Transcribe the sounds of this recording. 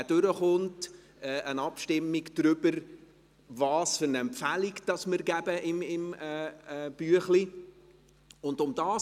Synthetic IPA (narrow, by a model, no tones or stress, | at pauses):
d̥ʏɾəχʊnt | ɛːʔənɑpʃtɪmːiɡd̪̥ɾʏbəɾ | vɑːsfʏɾnɛmfæliɡd̥ɑsmɪɾɡæbəʔɪmɪmɛb̥yəχli | ʊndʊmd̥ɑː